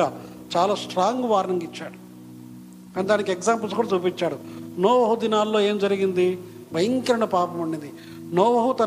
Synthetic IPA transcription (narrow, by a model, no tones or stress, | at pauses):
aː | t͡ʃaːlaːsʈɾaːŋɡuʋaːɾnɐŋkit͡ʃːaːɽu | kaːnid̪aːnikiekzaːmp̬ɐls̬kuːɽɐt͡ʃuːpiɲt͡ʃaːɽunoːʋɐɦud̪inaːlːoːe̞ːmd͡ʒɐɾiɡind̪i | bɐjɐŋkɐɾɐɳɖɐpaːpɐmɐɳɖind̪i | noːʋɐɦut̪ɐ